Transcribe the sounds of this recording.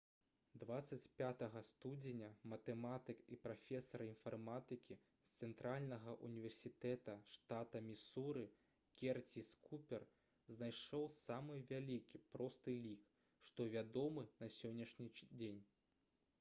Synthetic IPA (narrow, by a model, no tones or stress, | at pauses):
d̪vat̪sɐt͡sʲpʲat̪ɐɣɐst̪ud͡zʲenʲɐmɐt̪ɛmat̪ɨkipɾafʲɛsɐɾinfarmat̪ɨkʲi | st̪sɛnt̪ɾalʲnɐɣɐʔunʲivʲɛrsʲit̪ɛt̪ɐʂt̪at̪ɐmʲisuɾɨ | kʲɛrt͡sʲiskupʲɛr | znajʂɔwsamɨvʲalʲikʲipɾɔst̪ɨlʲik | ʂt̪ɔvʲad̪ɔmɨnɐsʲɔnʲːɐʂnʲid͡zʲenʲ